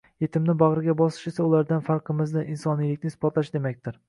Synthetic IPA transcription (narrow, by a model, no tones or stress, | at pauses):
je̞t̪ʰɪmnɪbaʁɾɪɡʲabɒsɪ̥ʃe̞saʊlaɾd̪anfaɾqʰɨmɪznɪʔinsɒnijlɪkʲnɪsɪ̥pɒt̪laʃd̪e̞makʲt̪ɪɾ